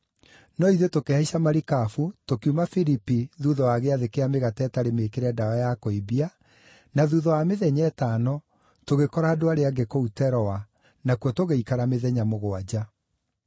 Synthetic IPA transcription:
nɔiðotokeaiʃamaɾikafutokiumafiɾipiðuðɔwaɣeaðekeameɣatɛtaɾemeːkeɾɛdaɔjakoibia | naðuðɔwameðɛɲɛːtanɔ | toɣekɔɾaːdoaɾeaɡekoutɛɾɔwa | nakuɔtoɣeikaɾameðɛɲamoɣoad͡ʑa

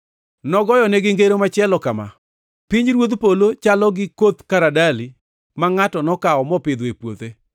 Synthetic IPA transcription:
nɔɡɔjɔnɛɡɪŋɡeɾomat͡ʃjɛlɔkama̰ | piɲɾwod̪polot͡ʃalɔɡɪkot̪kaɾadalɪ | maŋatɔnɔkaɔmɔpɪd̪wepwot̪e

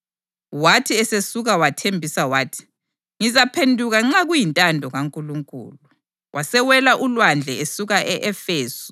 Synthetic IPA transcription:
watʰiɛsesuɣawatʰembʱisawaːtʰi̥ | ŋizapʰendʱuɣaŋ͡ǁaɣujintʼandʱɔɣaŋkʼuluŋkʼṵːlu | wʔasɛwɛlaʔulwand͡ɮʱɛesuɣaʔɛʔɛfeːsu̥

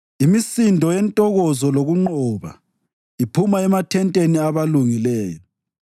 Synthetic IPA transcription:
imisindʱɔjɛntʼɔɣɔzɔloɣuŋ͡ǃɔːβa̰ | ipʰumaɛmatʰɛntʼeniaβaluŋilɛːjɔ

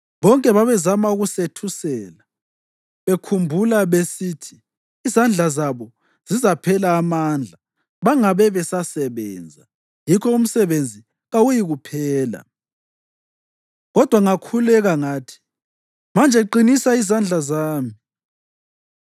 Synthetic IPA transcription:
βɔŋkʼɛβaβɛzamauɣusetʰusɛːla | βekʰumbʱulaβesiːtʰi̥ː | zand͡ɮʱazaβɔ | z̥izapʰɛlaːmaːnd͡ɮʱa | βaŋaβɛβɛsasɛβɛ̰ːnd͡zʱa | jikʰɔum̩sɛβend͡zʱi | ɣawujiɣupʰɛːla̰ | ɣɔd̥ʱwaŋakʰulɛɣaŋaːtʰi̥ | mand͡ʒʱɛǃinisaizand͡ɮʱazaːmi

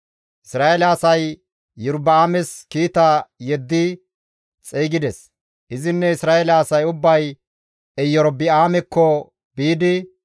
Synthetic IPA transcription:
ʔɪsɾaːɛlaːsɐjː | ʊɾbɪaːmɛskiːt̪ajɛd̪ːɪ | t͡sʼeːɡɪd̪ɛs | ʔɪzɪnːɛɪsɾaːɛlaːsɐjʊbːɐj | ɛjɔɾbɪaːmɛkʰːɔ | biːd̪ɪ

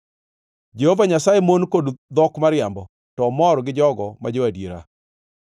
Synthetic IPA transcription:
d͡ʒehovaɲasaemonkodd̪ɔkmaɾɪjambɔ | tɔmɔɾɡɪd͡ʒɔɡɔmad͡ʒowadjeɾa̰

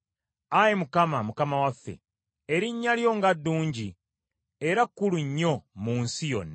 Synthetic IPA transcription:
ajemukamamukamawafːe̞̰ | eɾiɲːaljo̞ŋɡadːuːɲɟi | eɾakːuluɲːo̞muːnsijo̞̰nːa

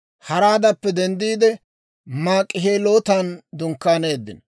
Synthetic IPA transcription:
hɐɾaːd̪ɐpːɛd̪ɛnd̪iːd̪ɛ | maːkʼːɪɦeːloːt̪aːnd̪ʊŋkːaːneːd̪ːɪ̰n

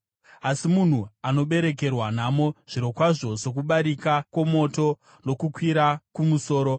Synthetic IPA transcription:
asimun̤uano̞ɓe̞ɾe̞k̬e̞rwanamo̞ʐ̥iɾo̞kwaʐo̞ʐo̞k̬uɓaɾikakwemo̞to̞ | no̞kukwiɾakumuso̞ːɾo̞

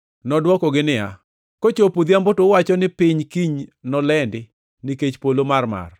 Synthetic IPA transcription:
nɔdwɔkɔɡɪnɪa̰ | kot͡ʃopud̪iambotowat͡ʃɔnɪpɪɲkiɲnɔlɛndɪ | niket͡ʃpolomarma̰r

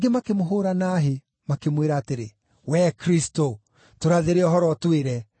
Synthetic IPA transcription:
ɡemakemoɦoɾanaːɦe | makemweɾaːteɾe | wɛkɾisto | toɾaðeɾeɔɦɔɾɔtweɾɛ

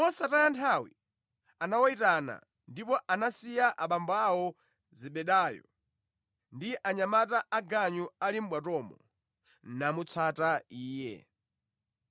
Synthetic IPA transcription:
mɔsatajantʰawi | anawɔitana̰ | ndipɔʔanasijaʔaɓambawɔ | ziɓɛɗajɔ̰ | ndiʔaɲamataʔaɡaɲualim̩ɓwatɔmɔ | namut͡sʰataiːjɛ̰

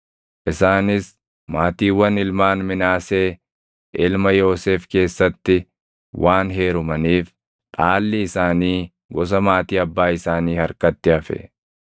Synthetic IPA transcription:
ʔɪsaːnɪs | maːt̪iːwɐnɪlmaːnmɪnaːseː | ʔɪlmɐjo̞ːseːfke̞ːsːɐt̪ːɪ | wʔaːnɦe̞ːɾʊmɐniːf | ᶑʼaːlːɪɪsaːniː | ɡɔs̬ɐmaːt̪iːɐbːaːɪsaːniːhɐɾkɐt̪ːɪɐfɛ̰

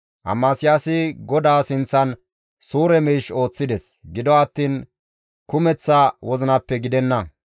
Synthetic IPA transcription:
ʔɐ̰mːaːsɪjaːsɪɡɔd̪aːsɪnt͡sːɐn | suːɾɛmɛːʃo̞ːt͡sːɪd̪ɛs | ɡɪd̪ɔɐt̪ːiːn | kʊmɛt͡sːawɔzɪnɐpːɛɡɪd̪ɛnːɐ

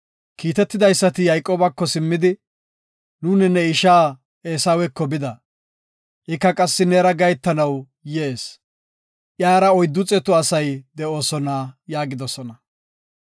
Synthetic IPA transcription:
kiːt̪ɛt̪ːɪd̪ɐjsːɐt̪ɪjɐjkʼo̞ːbɐkːɔsɪmːɪd̪ɪ | nuːnɛnɛɪʃaː | eːsawɛkːɔbɪd̪ɐ | ʔɪkːɐkʼɐsːɪneːɾɐɡɐjt̪ːɐnɐw | jeːs | ʔjaːɾɐɔjd̪ːʊt͡sʼɛt̪ʊɐsɐjd̪ɛo̞ːsɔnaːjaːɡɪd̪ɔsɔnɐ

